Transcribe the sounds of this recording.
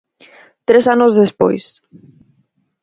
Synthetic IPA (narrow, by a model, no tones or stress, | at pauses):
t̪ɾesanozðespo̰js